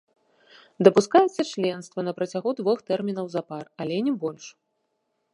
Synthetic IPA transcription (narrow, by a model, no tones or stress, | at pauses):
d̪ɐpuskajɛt̪sːɐt͡ʃlʲɛnst̪vɐnɐpɾɐt͡sʲaɣud̪vɔxt̪ɛrmʲinɐwzaparɐlʲɛnʲɛbɔlʲʂ